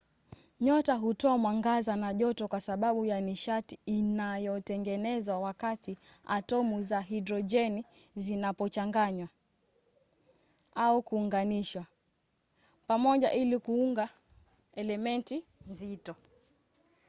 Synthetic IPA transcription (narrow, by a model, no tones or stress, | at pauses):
ɲɔtaɦutɔamwaŋɡazanaʄɔtɔkwasaɓaɓujaniʃatiːnajɔtɛŋɡɛnɛzwawakatia̰tɔmuzaɦidɾɔd͡ʒɛni | zinapɔt͡ʃaŋɡaɲwa | aukuːŋɡaniʃwa | pamɔʄa̰ʔilikuuŋɡa | ɛlɛmɛntinzitɔ